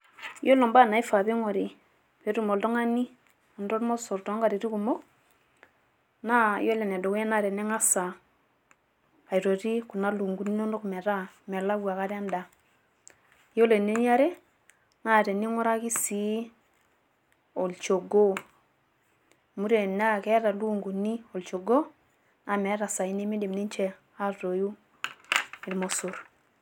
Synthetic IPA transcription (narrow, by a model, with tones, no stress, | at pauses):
jo˦lɔ˨mba˦˨na˨i˦fa˨βe˦ŋɔ˨ɾi˨ | pe˨ɾu˦mo˨ldɔ˦ŋa˦ni˦ | a˨ndo˦ɾmo˦so˨ɾtɔ˦ŋɡa˨ɾi˨ɾi˦ku˨mɔ˦ | na˦jo˦le˨nɛ˨do˨wɛ˦na˦˨ɾɛ˨nɛ˦ŋa˦sa˨ | a˨i˨ɾo˨ɾi˦ku˨na˦lu˨ŋɡu˦ni˦no˦no˦kmɛ˨ɾa˦mɛ˨la˦wa˨ka˦ɾa˦nda˨ | jo˦le˨ne˦ni˦a˦ɾe˦ | na˦˨ɾe˨ni˦ŋɔ˦ɾa˦ki˦si˦ | o˨lt͡ʃo˨ɡo˦ | mu˦ɾe˨na˦kɛ˦ɾa˨lu˦˨ŋɡu˨ni˦o˨lt͡ʃo˨ɡo˦ | na˨mɛ˨˦ɾa˨sa˨i˦ni˦mi˦di˨mni˦nt͡ʃɛ˦ | a˦ɾo˨ju˦ | i˨lmo˨su˨ɾ